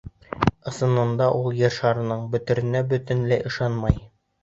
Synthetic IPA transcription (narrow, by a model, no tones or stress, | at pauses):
ɤ̆sɤ̆nɤ̆nd̪ɑʔulˠjɤ̆ɾʃɑɾɤ̆nɤɴbɵ̆t̪ɵ̆ɾɘ̆næbɵ̆t̪ɘ̆nlæjɤ̆ʃɑnmɑj